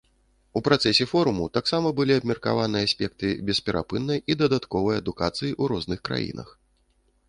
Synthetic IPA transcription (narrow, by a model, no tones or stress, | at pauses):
upɾat̪sɛsʲɛfɔɾumut̪aksamɐbɨlʲiɐbmʲɛrka̰vanɨjɐasʲpʲɛk̚t̪ɨbʲɛspʲɛɾʔa̰pɨnːɐjid̪ɐd̪at̪kɔvɐjɐd̪ukat̪sɨjiʔuɾɔznɨxkɾa̰jḭnɐ̰x